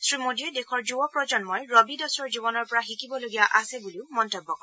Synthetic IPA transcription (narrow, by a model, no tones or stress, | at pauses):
sɹimodiɔdekʰɔɹzuɔpɹɔd͡ʒɔnmojɹɔbidɔsɔɹzibɔnɔɹpɔɹaxikibɔloɡijaʔasɛbuliʊmɔntɔbːɔkɔɹ̃